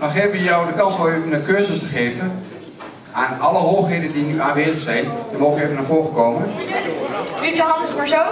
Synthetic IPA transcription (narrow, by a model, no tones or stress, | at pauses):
nɔχeːvʋəjɔwdəkɑnsʋɔlˠejvənəkøːzəstəχeːvən | aːnɑləɦoːχɦejdəndinyʔaːnʋeːzəχsɛjnjəmoːχəevənaːɹvoːrəkowmə | itəɦɑnspəɹso